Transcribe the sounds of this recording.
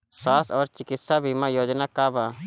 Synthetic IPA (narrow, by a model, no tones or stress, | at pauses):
saːsɔːɾt͡ʃɪkɪt̪sabʱimãːjoːd͡ʒnakaːbaː